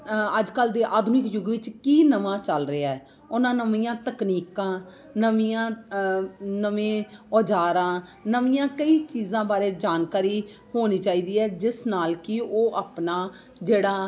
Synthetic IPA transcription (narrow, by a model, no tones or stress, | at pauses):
əd͡ʒkəld̪eːʔaːd̪ʱʊnɪkjʊɡʋɪt͡ʃkiːnəʋãːt͡ʃəlɾeaːɛː | ʊnãːnəmiːjãːt̪əkniːkãː | nəmiːãː | nəʋẽːɔːd͡ʒaːɾãːnəʋiːjãːkəiːt͡ʃiːzãːbaːɾeːd͡ʒaːnkaːɾiː | hoːniːt͡ʃaːiːd̪iːɛːd͡ʒɪsnaːlkɪoːʔapnaː | d͡ʒeːɽaː